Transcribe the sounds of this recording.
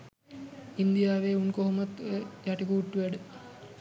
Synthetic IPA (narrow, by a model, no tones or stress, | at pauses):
ind̪ijaːʋeːunkoɦomat̪jaʈikuːʈːuʋæɖə